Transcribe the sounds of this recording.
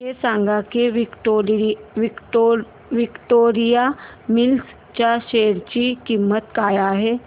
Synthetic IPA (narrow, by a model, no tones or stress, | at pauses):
ɦesãŋɡakeʋi | ʋikʈoɾija | mils | t͡ɕjaɕeɽt͡ɕiːkimːət̪kajaɦe